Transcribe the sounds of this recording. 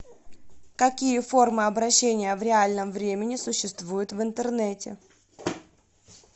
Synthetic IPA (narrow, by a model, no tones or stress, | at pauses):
kɐkʲijəfo̞rmɨɐbɾɐɕːenʲɪjəvɾʲɪalʲnəmvɾʲemʲɪnʲɪsʊɕːɪst̪vujʊt̪vɨnt̪ərnɛtʲɪ̰